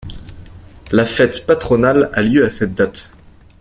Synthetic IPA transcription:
lafɛt̪pat̪χɔnalaljøasɛt̪̚d̪at̪

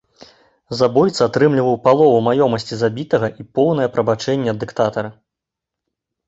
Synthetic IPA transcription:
zabɔjt̪sɐat̪ɾɨmlʲivɐwpalˠɔvumajɔmɐsʲt͡sʲizabʲit̪ɐɣɐʔipɔwnɐjɛpɾɐbat͡ʂɛnʲːɛɐd̪ːɨkt̪at̪ɐɾɐ

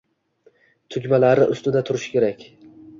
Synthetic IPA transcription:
t̪ʰʊkʲmalaɾɪʔʊst̪ɪd̪at̪ʰʊɾɪʃkʲe̞ɾakʲ

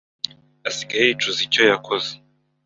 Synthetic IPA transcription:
asiɡajeit͡ʃuzicojakʰoze

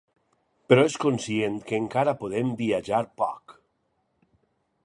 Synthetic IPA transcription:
peɾɔeskonsient̪keŋkaɾapoðembiaʒaɾpɔ̰k

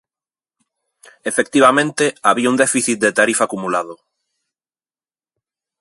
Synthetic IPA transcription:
efek̚t̪iβamẽnt̪eaβiaund̪ɛfiθit̪̚d̪et̪aɾifaːkumulaðʊ

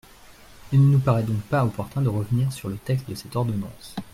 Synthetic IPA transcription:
ilnənupaʁɛd̪ɔ̃k̚paɔpɔʁt̪ɛ̃d̪əʁəvəniʁsyʁlət̪ɛkst̪̚d̪əsɛt̪ɔʁd̪ɔnɑ̰̃s

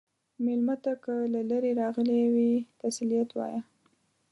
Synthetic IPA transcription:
mɪlmat̪akəlalaɾeɾɑɣəlewifasilijat̪wɑ̰ja

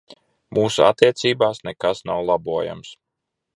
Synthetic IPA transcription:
muːsua̰t̪ːiɛt̪siːbaːsnekasnawlˠabuɔja̰ms

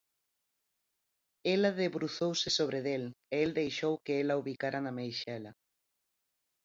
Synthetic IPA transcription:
elaðeβɾuθowsɪsoβ̞ɾeðeleeld̪ejʃowkeelauβikaɾanamejʃɛla

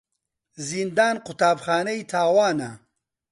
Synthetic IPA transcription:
zind̪aːnqʊt̪aːbxaːnɐit̪ʰaːwaːnɐ

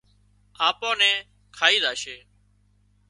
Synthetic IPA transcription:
ãːpõːnɛ̃ː | kʰaːiːdaːʃeː

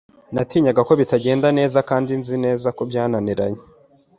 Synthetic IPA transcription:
natiːɲaɡako̞βitaɟe̞ːndane̞ːzakaːndinzine̞ːzakobjaːnaniɾaɲe

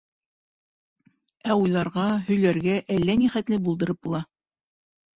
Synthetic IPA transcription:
æujlˠɑɾʁɑɦɵ̆jlæɾɡæʔælːæniχæt̪lɘbulˠd̪ɤ̆ɾɤp̚bulˠɑ

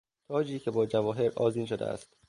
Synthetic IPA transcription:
t̪ʰɒːd͡ʒiːcʰe̞bɒːd͡ʒævɒːɦe̞ɾʔɒ̰ːziːnʃod̪ḛæ̰st̪

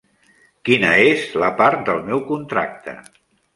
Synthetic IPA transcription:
kinəezləpaɾt̪̚d̪əlˠmɛwkunt̪ɾa̰k̚t̪ʰə̰

